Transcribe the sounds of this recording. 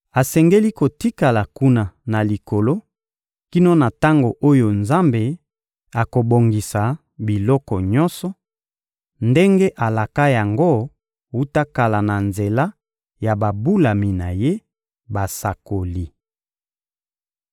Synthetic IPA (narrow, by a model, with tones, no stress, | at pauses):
a˨sɛ˨ŋɡe˦li˦ko˨ti˦ka˨la˨ku˦na˨na˨li˨ko˨lo˦ | ki˦no˦na˨ta˦ŋɡo˨ʔo˦jo˨nza˦mbe˨ | a˨ko˨bo˨ŋɡi˨sa˨ | bi˨lɔ˦kɔ˨ɲɔ˦nsɔ˨ | nde˦ŋɡe˦ʔa˨la˨ka˦ja˨ŋɡo˦ | wu˦ta˦ka˨la˨na˨nze˨la˦ | ja˨ba˨bu˦la˨mi˨na˨je˦ | ba˨sa˨ko˨li˦